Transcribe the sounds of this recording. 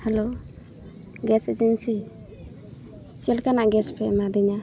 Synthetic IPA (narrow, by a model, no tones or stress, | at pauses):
hɛlo | ɡɛsed͡ʒɛnsi | siɛlkanaʔɡɛspʰɛmad̪iɲa